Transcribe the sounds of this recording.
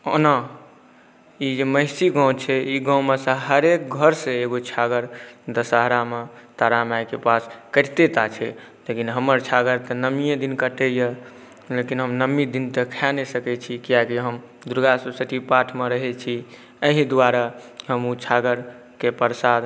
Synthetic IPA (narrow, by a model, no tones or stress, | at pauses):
ona | id͡ʒeməɪsiɡãw̃t͡ʃʰɛiɡãw̃mesə̃ɦəɾek̚ɡʱəɾsẽeɡot͡ʃʰaɡəɾt̪əsəɦɾamet̪aɾamajkepaskəɾt̪et̪at͡ʃʰɛ | lekinɦəmːəɾt͡ʃʰaɡəɾt̪ənəmijẽd̪inkəʈəjə | lekinɦəmnəmid̪int̪əkʰanesəkɛt͡ʃʰikijakiɦəm | d̪uɾɡasusət̪ʰipaʈʰmeɾəɦɛt͡ʃʰi | əɦĩd̪uaɾaɦəmut͡ʃʰaɡəɾ | kepəɾsad̪